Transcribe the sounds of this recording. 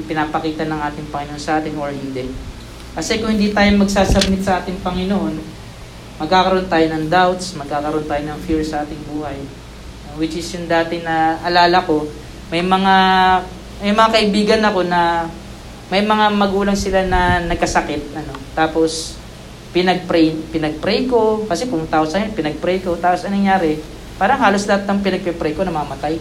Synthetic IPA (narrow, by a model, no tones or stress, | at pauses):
pɪnaːpɐkiːt̪ɐnɐŋʔaːt̪ɪŋpɐŋɪnoʔonsɐʔaːt̪ɪnʔoɹhɪnd̪ɛ | kɐsɛkʊŋhɪnd̪iːt̪aːjoŋmɐɡ̚saːsɐb̚mɪt̪̚sɐʔaːt̪ɪŋpɐŋɪnoʔo̞n | mɐɡ̚kaːkɐɾoʔont̪aːjo̞nɐŋd̪awt̪smɐɡ̚kːaːkɐɾoʔnt̪aːjonɐŋfiɹsɐʔaːt̪ɪŋbuːhɐj | nowɪt͡ʃɪsjʊŋd̪aːt̪ɪnɐʔɐlaːlɐko̞ | mɐjmɐŋa | mɐjmɐŋakɐʔɪbiːɡɐnɐko̞nɐ | mɐjmɐŋamɐɡuːlɐŋsɪlanɐnɐɡ̚kɐsɐkɪt̪̚ɐno̞t̪ːaːpo̞s | pɪnɐɡ̚pɾɛjpɪnɐɡ̚pɾɛjko̞kɐsɛpʊmʊt̪akosajpɪnɐɡ̚pɾɛjko̞t̪aːpo̞sɐnɐŋjaːɾɛ | paːɾɐŋɦaːlo̞slɐhat̪̚nɐŋpɪnɐɡ̚pɛpɾɛjko̞nɐmɐɐmɐt̪aj